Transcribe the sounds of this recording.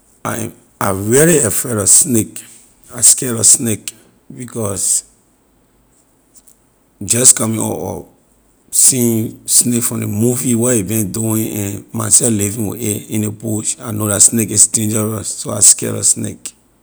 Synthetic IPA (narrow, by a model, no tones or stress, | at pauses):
ã̰ | avɛɹiɛfɛɾɔsnek | askɛɾɔsnek | bikɔs | d͡ʒɔskɔmĩɔ̰ɔ̰ | sĩĩnsnekfɹɔ̃ndemuviwɛibĩnduĩʔɛ̃nmãsɛflivĩnwḛeĩnebuʃanodasnekisdẽnd͡ʒɛɹasːoaskɛ̰ɾɔ̰snḛk